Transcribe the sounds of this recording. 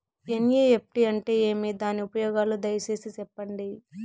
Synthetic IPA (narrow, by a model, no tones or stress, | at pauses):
enijeːep̚ʈiɐɳʈe̞ːeːmid̪aːniupɐjɔːɡaːlud̪ɐjɐt͡ʃe̞ːsisɛpːɐɳɖi